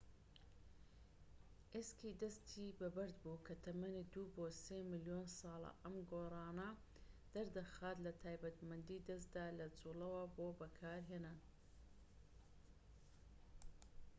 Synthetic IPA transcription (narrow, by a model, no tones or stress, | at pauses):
ʔeskiːd̪ɐst̪ʰiːbɐbɐɾd̪buːkʰɐt̪ʰɐmɐnid̪uːboːseːmɪlijoːnsɑːlˠɐ̰ʔɐmɡoːrˤɑːnɐ | d̪̥ɐɾd̪ɐxaːt̪lɐt̪ʰaːjbɐt̪mɐnd̪iːd̪ɐst̪d̪aːlɐt͡suːlɐwɐboːbɐkʰaːɾɦeːnaːn